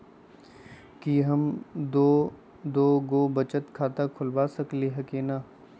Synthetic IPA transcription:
kiɦɐmd̪oː | d̪oːɡoːbɐt͡ʃət̪kʰaːt̪akʰʊlbaːsɐkliɦɐkenaː

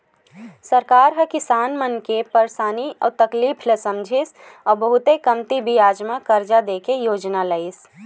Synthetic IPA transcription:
səɾkaːɾɦəkɪsaːnmənkepəɾsaːniɔ̰ːt̪əkliːpʰləsə̃md͡ʒʱis | ɔːɾbəɦʊt̪ekəmt̪ibʱijaːd͡ʒmakəɾd͡ʒad̪eːkejoːd͡ʒnaləɪs

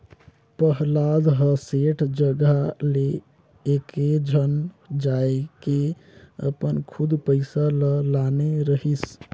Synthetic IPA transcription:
pəɦlad̪ɦəseʈʰd͡ʒəɡaleː | ked͡ʒʱən | d͡ʒajke | ə̰pənkʰud̪pəɪsaləlaneɾəɦis

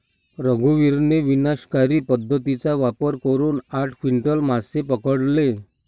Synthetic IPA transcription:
ɾəɡʱuʋiɾneʋinaɕkaɾiːpəd̪ʱːət̪it͡saʋapəɾkəɾuːnaʈʰkʋiɳʈəlmasepəkəɽle

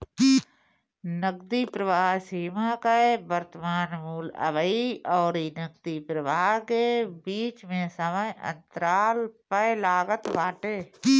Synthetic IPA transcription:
nəɡd̪ipɾəʋaːɦsiːmakaebəɾt̪əmaːnmuːlə̰ʋəiɔːɾinəɡ̚d̪ipɾəʋaːɦkebiːt͡ʃmẽsəməjʔə̰̃nt̪əɾaːlpəjlaːɡət̪ʋaːʈeː

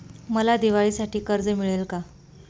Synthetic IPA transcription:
məlad̪iʋaɭiːsaʈiːkəɾd͡zəmiɭelka

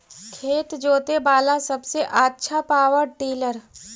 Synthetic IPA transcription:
kʰeːt̪d͡ʒoːt̪ebaːlasɐbseʔaːtːʃʰapaːwəɾʈiːləɾ

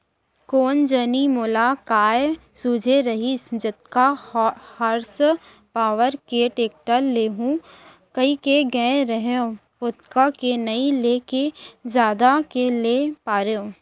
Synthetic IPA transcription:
koːnd͡ʒənimoːlakaːjsud͡ʒʱeɾɐɦisd͡ʒɐt̪kahəɾs | paːʋəɾkeʈeːk̚ʈəlːeːɦũ | kɐikeɡɛ̃ːɾəɦõ | ʊt̪kakenɐĩleːkezjaːd̪akelepaːɾõː

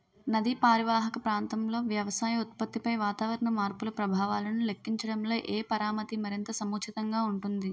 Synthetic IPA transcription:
nɐd̪ipaːɾiʋaːɦɐkɐpɾaːnt̪ɐmlo̞ːʋjɐʋɐsaːjɐut̪̚pɐt̪ːipɐjʋaːt̪aːʋɐɾɐɳɐmaːɾpulɐpɾɐbʱaːʋaːlɐnulekːiɲt͡ʃɐɽɐmlo̞ːʔeːpɐɾaːmɐt̪imɐɾint̪ɐsɐmuːkt͡ʃit̪ɐŋɡaːuɳʈund̪i

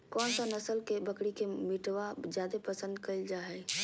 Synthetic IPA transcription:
kɔːnsanəsəlkebəkɽikemiʈʋad͡ʒjad̪epəsə̃nd̪kəɪld͡ʒaɦɛ

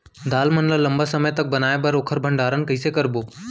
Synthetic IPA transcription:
d̪aːlmənləlɐ̃mbəsəməjt̪ɐk̚bɐnaːebɐɾoːkʰəɾbʱə̃ɳɖaːɾənkəiːsekɐɾboː

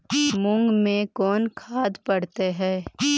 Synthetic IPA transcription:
mʊ̃ŋɡmẽkɔːnkʰaːd̪pɐɽt̪eɦɛː

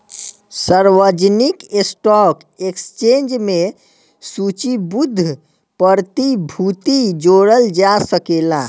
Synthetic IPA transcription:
səɾʋəd͡ʒnikesʈɔk | ekst͡ʃend͡ʒme | sut͡ʃibud̪ʱː | pəɾt̪ibʱut̪id͡ʒoɽəld͡ʒasəkela

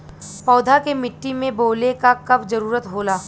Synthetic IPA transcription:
pɔːd̪ʱakemɪʈːimẽboːlekakɐbd͡ʒɐɾuːɾət̪ɦoːlaː

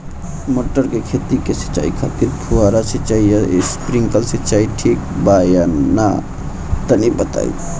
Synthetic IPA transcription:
moʈəɾkekʰet̪ikesi̥t͡ʃa̰ikʰət̪iɾpʰuaɾaset͡ʃaiaḛspɾiŋkəlset͡ʃaiʈʰik̚bajana̰ | t̪ənibət̪a̰ḭ

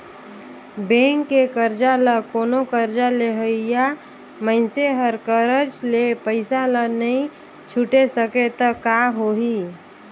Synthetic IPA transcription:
bẽŋkːekəɾd͡ʒaləkoːnokəɾd͡ʒaleɦəija | məɪnseɦəɾkəɾəd͡ʒlepəɪsalənəĩ | t͡ʃʰuʈesəket̪əkaɦoɦi

